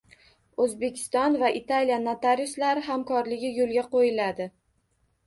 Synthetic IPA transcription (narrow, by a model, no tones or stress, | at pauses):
ɵzbe̞kʲʰɪ̥st̪ɒnvaʔɪt̪ʰaljanat̪aɾʊslaɾɪɦamkʰɒɾlɪɡʲɪjolˠɡʲaqojɪlad̪ɪ